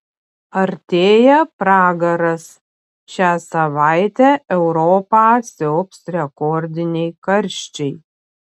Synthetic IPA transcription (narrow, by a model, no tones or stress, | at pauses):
ɐɾʲt̪ʲeːjɛpɾɑːɡɐɾɐs | ʃʲæːsɐʋɑˑɪt̪ʲæɛʊɾɔːpɑːsʲɛʊpsɾʲɛkɔɾʲd̪ʲɪnʲɛɪkɐɾʲˑʃʲt͡ʃʲɛɪ